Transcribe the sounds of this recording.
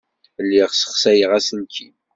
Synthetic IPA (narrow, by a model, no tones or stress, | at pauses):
lːiʁsə̥χsæjəʁæsənkʰi